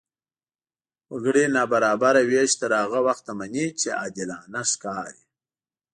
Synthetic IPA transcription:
waɡɽinaːbaɾaːbaɾaweʃt̪əɾaːɣawaxt̪amanit͡ʃea̰d̪ilaːnaskɑːɾi

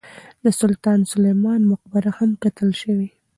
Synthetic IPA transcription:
d̪əsʊlt̪ɑnsʊlajmɑnmʊq̚baɾahamkat̪əlʃəwi

